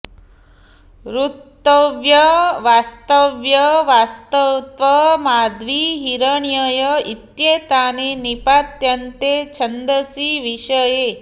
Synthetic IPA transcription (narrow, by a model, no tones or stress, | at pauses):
ɾut̪ːɐʋjɐʋaːst̪əʋjɐʋaːst̪ət̪ʋɐmaːd̪ʋiɦiɾəɳjəjɐit̪jeːt̪aːnenipaːt̪jɐnt̪et͡ʃʰɐnd̪əsiʋiʃəje